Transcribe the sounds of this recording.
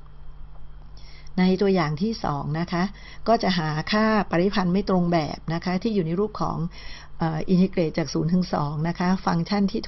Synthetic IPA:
na˧jt̪u˧ɐjaː˨˩ŋt̪ʰiː˥˩sɔ̰ː˩˦ŋna˦˥kʰa˦˥ʔ | kɔː˥˩t͡ɕa˨˩ʔɦaː˩˦kʰaː˥˩pa˧ɾi˦˥pʰa˧nma˥˩jt̪ɾo˧ŋbɛ̰ː˨˩p̚na˦˥kʰa˦˥t̪ʰiː˥˩juː˨˩na˧jɾuː˥˩p̚kʰɔ̰ː˩˦ŋ | ʔəː˨˩ʔi˧ntʰi˦˥kɾeː˨˩t̪̚t͡ɕaː˨˩k̚suː˩˦nt̪ʰɯ˨˩˦ŋsɔ̰ː˩˦ŋna˦˥kʰa˦˥fa˧ŋt͡ɕʰa˥˩nt̪ʰiː˥˩t̪ʰ

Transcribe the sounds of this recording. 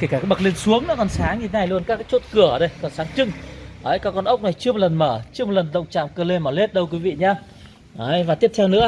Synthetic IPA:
ke˧˩kaː˧˩kːɓə˨˩k̚le˧nsu˨˦əŋnɔ̰˨˦˥kɔ˨˩nsaː˨˦ŋɲi˧t̪ʰe˦na˨˩jlu˧ənkaː˦˥kːaː˦˥t͡ɕo˦˥t̚kɨ˧˩əɗe˨˧˩jkɔ˨˩nsaː˨˦ŋt͡ɕɨ˧ŋʔəː˨˦jkaː˨˥kːɔ˧nʔə˦˥wk͡p̚na˨˩jt͡ɕɨ˧əmo˨˩t̚lə˨˩nməː˧˩t͡ɕɨ˧əm˨˩t̚lə˨˩nɗə̰˧˨wŋ͡mt͡ɕa̰ː˧˨mkəː˧le˧mɔ˧˩le˦˥t̚ɗə˧wk̬wi˨˦vḭ˧˨ɲaː˧ | ʔəː˧˩jvaː˨˩t̪i˦˥əp̚t̪ʰwnɨ̰˧˥ə

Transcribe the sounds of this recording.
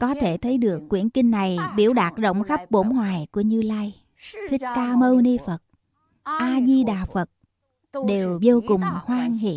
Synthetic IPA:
kɔ˨˦t̪ʰe˧˩t̪ʰə˨˦jɗɨ˨˩əkːwi˧˩ənkï˧ŋ̟ːa˨˩jɓḭ˧˩əwɗaː˨˩t̚zə̰˧˨wŋ͡mxa˦˥p̚ɓo˧˦nhwaː˨˩jku˧˩əɲɨ˧laː˧j | t̪ʰï˦˥k̚kaː˧mə˧wni˧fə˨˩t̚ | ʔaː˧zi˧ɗaː˨˩fə˨˩t̚ | ɗe˨˩wzo˧wkʊ˨˩ŋ͡mhwaː˧ŋɦḭ˧˨

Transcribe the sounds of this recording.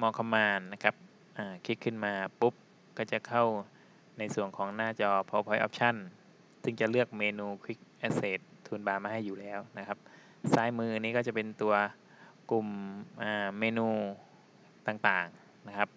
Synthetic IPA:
mɔː˧kʰa˧mːaː˧a˦˧kʰa˦˧˥p̚ | ʔaː˧˩kʰi˦˥kʰɯ˧˩nmaː˧pu˦˥p̚ | kɔː˥˩t͡ɕa˨˩kʰa˥˩w | na˧jsu˨˩əŋkʰɔː˩˦ŋnaː˧˥˩t͡ɕɔː˧pʰɔ˧pʰɔ˧˦jʔɔ̰˧p̚t͡ɕʰa˥˩˨n | sɯ˧˥˩ŋt͡ɕa˨˩ʔlɯ˥˩ək̚meː˧nuː˧kʰwi˦˥k̚ʔaː˧˥seː˨˩t̪̚ʰːuː˧nbaː˧maː˧ɦa˥˩jːuː˨˩lɛː˦˥˩wna˦˥kʰa˦˧˥p̚ | saː˦˥jmɯː˧niː˧˥kɔː˥˩t͡ɕa˨˩pe˧nt̪u˧ɐ | ku˨˩mʔaː˧˩meː˧nuː˧ | t̪aː˨˩ŋt̪aː˨˩ŋ | na˦˥kʰa˦˥p̚

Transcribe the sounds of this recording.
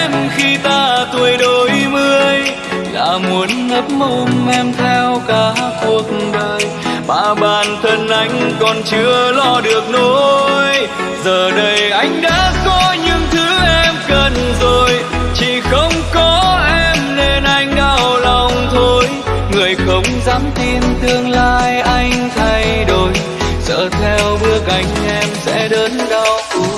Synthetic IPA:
mxi˧t̪aː˧t̪u˧əjɗo˨˦jmɨ˧əj | ɗa̰ː˧˥mu˨˦ənŋə˦˥p̚mo˧nʔɛ˧mt̪ʰɛ˧wkaː˨˦ku˨˩t̚n̩ɗəː˧j | ɓa̰ː˧˥˨ɓaː˨˩nt̪ʰə˧˩nʔa˧˩jŋ̟kɔ˨˩nt͡ɕɨ˧˥əlɔ˧ɗɨ˨˩ək̚no˨˦j | zəː˨˩ɗə˧jʔa˧jŋ̟ɗa̰ː˧˥kɔ˨˧˦ɲɨ̰˧˥ŋt̪ʰɨ˨˦ʔɛ˧mkə˧˩nzo˨˩j | t͡ɕi˧˩xə˧wŋ͡mkɔ˨˦ʔɛ˧mne˧nʔa˧jŋ̟ɗaː˧wla˨˧˩wŋ͡mt̪ʰo˧j | ŋɨ˨˩əjxə˨˧˦wŋ͡mzaː˨˦mt̪i˧nt̪ɨ˧əŋlaː˧jʔa˧jŋ̟t̪ʰa˧jɗo˨˩j | zə̰ː˧˨t̪ʰɛ˧wɓɨ˦˥ək̚ʔa˧˩jŋ̟ʔɛ˧msɛ̰˧˥ɗəː˨˦nɗa˧w

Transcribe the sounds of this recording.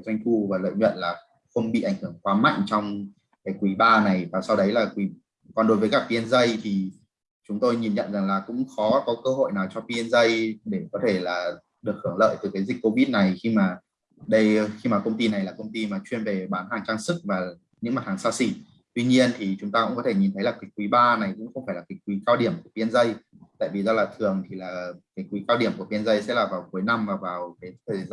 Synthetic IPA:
zwa˧jŋ̟fu˧˩vaː˨˩lə̰ː˧˨jɲwə̰˧˨nlaː˨˩ | xə˧wŋ͡mɓḭ˧˨ʔa˧˩jŋ̟hɨ˧˩əŋkwaː˨˦ma̰˧˨jŋ̟t͡ɕɔ˧wŋ͡m | kaː˨˦jkwi˧˨˦ɓaː˧na˨˩jvaː˨˩sa˧wɗə˨˦jlaː˨˩kwi˧˩˦ | kɔ˨˩nɗo˨˦jvəː˨˦kaː˦˥k̚pi˧ə˧nzə˧jt̪ʰi˨˩ | t͡ɕʊ˨˦ŋ͡mt̪o˧jɲi˨˩nɲə̰˧˨nza˨˩ŋlaː˨˩kʊ̰˧˥ŋ͡mxɔ˨˦kɔ˨˦kəː˧ɦo̰˧˨jnaː˨˩wt͡ɕɔ˧p̪i˧ə˧nzə˧jɗe˧˩kɔ˨˦t̪ʰe˧˩laː˨˩ | ɗɨ˨˩ək̚hɨ˧˩əŋlə̰ː˧˨jt̪ɨ˨˩kaː˨˦jzï˨˩k̟̚ko˧vi˦˥t̚na˨˩jxi˧maː˨˩ | ɗə˧jxi˧maː˨˩kə˧wŋ͡mt̪i˧na˨˩jlaː˨˩kə˧wŋ͡mt̪i˧maː˨˩t͡ɕwi˧ənve˨˩ɓaː˨˦nɦaː˨˩ŋt͡ɕaː˧ŋsɨ˦˥k̚vaː˨˩ | ɲɨ̰˧˥ŋma˨˩t̚hʰaː˨˩ŋsaː˧sḭ˧˩ | t̪wi˧ɲi˧ənt̪ʰi˨˩t͡ɕʊ˨˦ŋ͡mt̪aː˧kʊ̰˧˥ŋ͡mkɔ˨˦t̪ʰe˧˩ɲi˨˩nt̪ʰə˨˦laː˨˩kï̟˨˦˥kːwi˨˦ɓaː˧na˨˩jkʊ̰˧˥ŋ͡mxə˧wŋ͡mfaː˧˩jlaː˨˩ki˨˦˥k̚kwi˨˦kaː˧wɗi˧˩əmku˧˩əpi˧ənzə˧j | t̪a̰ː˧˨jvi˨˩zɔː˧laː˨˩t̪ʰɨ˨˩əŋt̪ʰi˨˩laː˨˩ki˨˦k̚kwi˨˦kaː˧wɗi˧˩əmku˧˩əpi˧ənzə˧jsɛ̰˧˥laː˨˩vaː˨˩wku˨˦jna˧mvaː˨˩vaː˨˩wkaː˨˦jʰ

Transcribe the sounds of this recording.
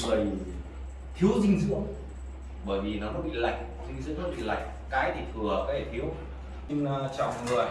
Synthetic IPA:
ɨ˨˩əj | t̪ʰi˨˦əwzï˧ŋ̟zɨ̰˧˥ə | ɓəː˧˩jvi˨˩nɔ˨˦nɔ˨˦ɓḭ˧˨la̰˧˨jk̟̚ | zï˧ŋ̟zɨ̰˧˥nɔ˨˦ɓḭ˧˨la̰˧˨jk̟̚kaː˨˦jt̪ʰi˨˩t̪ʰɨ˨˩əka˨˦t̪ʰe˧˩t̪ʰi˨˦əw | ɲɨ˧ŋː˧t͡ɕa̰˧˨wŋ͡mŋɨ˨˩ə˩j

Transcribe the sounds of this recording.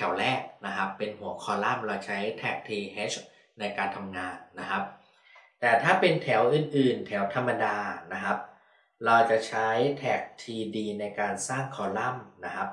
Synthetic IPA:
t̪ʰɛ˩˦wlɛː˥˩k̚na˦˥kʰa˦˥pːe˧nhu˩˦əkʰɔː˨˩˦la˥˩mɾa˧wt͡ɕʰa˦˥jt̪ʰɛː˦˥˩k̚t̪ʰiː˧heː˦˥t͡ɕʰ | na˧jkaː˧nt̪ʰa˧mŋaː˧nːa˦˥kʰa˦˥p̚ | t̪ɛː˨˩t̪ʰaː˥˩pe˧nt̪ʰɛ˩˦wʔɯː˨˩nʔɯː˨˩nt̪ʰɛ˩˦wt̪ʰa˧mːa˧daː˧na˦˥kʰa˦˥p̚ | ɾa˧wt͡ɕa˨˩t͡ɕʰa˦˥jt̪ʰɛː˦˩k̚t̪ʰiː˧diː˧na˧jkaː˧nsaː˥˩ŋkʰɔː˨˩˦la˥˩mna˦˥kʰa˦˥p̚

